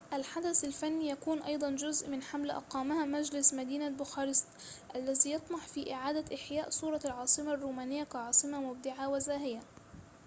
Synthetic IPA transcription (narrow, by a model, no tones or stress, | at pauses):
ʔalħad̪aθalfanːiːjakuːnʔɑjd̪ˤɑnd͡ʒʊzʔmɪnħamlʔɑ̰qɑːmahamad͡ʒlɪsmad̪iːnabʊxɑːɾɪst̪ | ʔalːaziːjɑt̪ˤmɑħfiːʔɪʕaːd̪aʔɪħjaːʔsˤuːɾˤɑlʕɑːsˤɨmarːuːmaːnɪjːakaʕɑːsˤɨmamʊb̚d̪ɪʕawazaːɦɪja